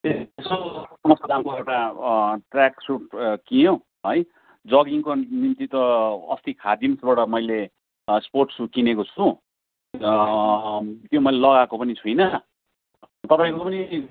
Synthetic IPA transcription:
eesosʌmʌst̪oɾamkoewʈaʈrjaksupkijõ | ɦʌj | d͡zʌɡiŋkonimt̪it̪ʌʌ̰st̪ikʰad̪imsbaʈʌmʌjle | sporʈsukinekot͡sʰu | t̪jomʌjlelʌɣakopʌnit͡sʰujnʌ | t̪ʌpaĩŋkopʌni

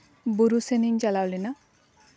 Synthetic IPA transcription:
buɾuseniŋd͡ʒalawlina

